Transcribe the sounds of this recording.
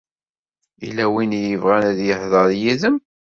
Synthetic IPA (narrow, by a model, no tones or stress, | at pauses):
ḭlæwinjəvʁænæðjəhðˤəɾjiðəm